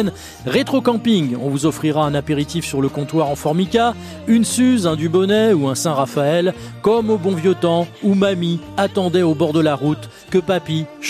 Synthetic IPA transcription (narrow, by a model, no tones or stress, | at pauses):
n | ʁet̪χokɑ̃piŋɔ̃vuzɔfχiʁaɛ̃napeʁit̪ifsyʁləkɔ̃t̪waʁɑ̃fɔʁmika | ynsyzɛ̃d̪ybɔnɛuɛ̃sɛ̃ʁafaɛl | kɔmobɔ̃vjɔt̪ɑ̃umami | at̪ɑ̃d̪ɛobɔʁd̪əlaʁut̪ | kəpapiʃ